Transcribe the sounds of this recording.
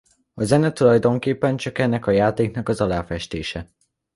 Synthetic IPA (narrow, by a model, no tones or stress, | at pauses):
ɒzɛnɛt̪ulɒjd̪o̞ŋkeːpːɛnt͡ʃɒkɛnːɛkɒjaːt̪eːknɒkɒzɒlaːfɛʃt̪eːʃɛ